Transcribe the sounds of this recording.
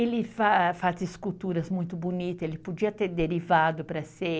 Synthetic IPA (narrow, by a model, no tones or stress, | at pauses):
elɪfafazɪskut̪uɾɐzmũj̃t̪ʊbonit̪ɐelɪpod͡ʒiɐt̪eɾd̪eɾivad̪ʊpɾɐse